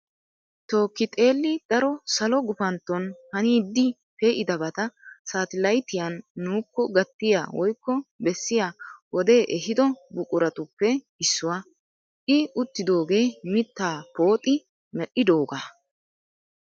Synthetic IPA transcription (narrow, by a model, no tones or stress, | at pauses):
t̪o̞ːkːɪt̪ʼe̞ːlːɪd̪̥ɐɾɔsɐlɔɡʊfɐnt̪ːɔnhɐniːd̪ːɪ | peʔɪd̪ɐbɐt̪ɐsaːt̪ɪlɐjt̪ɪjɐnːuːkːɔɡɐt̪ːɪja̰wɔjkːɔbɛsːɪjawɔd̪e̞ːʔɛɦɪd̪ɔbʊkʼʊɾɐt̪ʊpːɛ | ɪsːʊwa | ʔɪʊt̪ːɪd̪o̞ːɡe̞ːmɪt̪ːaːpo̞ːt̪ʼɪ | mɛʔɪd̪o̞ːɡa